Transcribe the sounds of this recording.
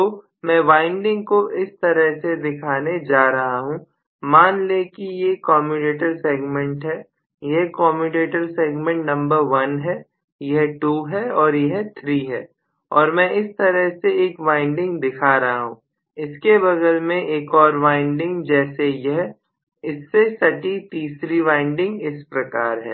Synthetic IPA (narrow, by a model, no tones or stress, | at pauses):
t̪oː | mɛ̃ːʋaːɪ̃ɳɖɪ̃ŋɡkoʔɪst̪ɐɾəɦsed̪ɪkʰaːned͡ʒaːɾɐɦaɦũ | maːnlekijekɔːmiʈeːʈəɾseːɡmɛ̃ɳʈɦɛː | jeɦkɔːmiʈeːʈəɾseːɡmɛ̃ɳʈnɐ̃mbəɾʋɐnɦɛː | jɐɦʈuːɦɛɔːɾjɛɦt̪ʰɾiːɦɛː | ɔːɾmɛ̃ːʔɪst̪ɐɾəɦseeːkʋãːɪ̃ɳɖɪ̃ŋɡd̪ɪkʰaːɾɐɦaɦũː | ɪskebɐdəlmẽʔeːkɔːɾʋãːɪ̃ɳɖɪ̃ŋɡd͡ʒɛːsejɛɦ | ɪsːesɐʈit̪iːsɾiʋãːɪ̃ɳɖɪ̃ŋɡɪspɾɐkaːɾɦɛ̰ː